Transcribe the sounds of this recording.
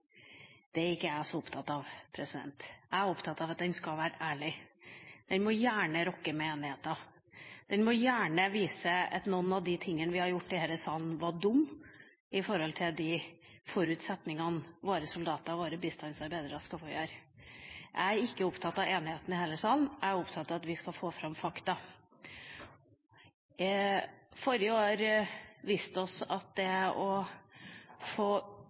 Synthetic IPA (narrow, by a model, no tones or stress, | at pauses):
d̪̥ɛæɾɪkːəæsɔʊpt̪ʰɑt̪ːɑʋpʰɾɛsɪd̪ɛ̰nt̪æɪæɾʊpt̪ʰɑt̪ːɑʋɑt̪̚d̪ɛnskɑʋæːɾəʔæːɭɪ | d̪̥ɛnmɔjæːɳəɾɔkːəmɛeːnɪheːt̪ɑ | d̪̥ɛnmɔjæːɳəʋiːsəɛ̰t̪nɔnːɑʋd̪ɪt̪ʰɪŋːənəʋɪhɑɾjʊʈːd̪ɪheːɾəsɑːlnʋɑɖʊmː | ɪfɔɾɔlt̪ʰɪld̪ɪfɔɾʉːt̪sɛt̪nɪŋɑnʋoːɾəsʊld̪ɑːt̪əɾɑʋoːɾəbist̪ɑnsɑɾbæɪd̪əɾɑskɑfɔːjøːɾ | ʔæɪɪkːəʊpt̪ʰɑt̪ːɑeːnɪheːt̪n̩ɪheːləsɑːln̩æɪʊpt̪ʰɑt̪ːɑɑt̪ʋɪskɑfoːfɾɑmfɑkt̪ɑ | fɔɾɪjəoːɾʋiːst̪əɔsɑ̰t̪̚d̪ɛʔɔ | foː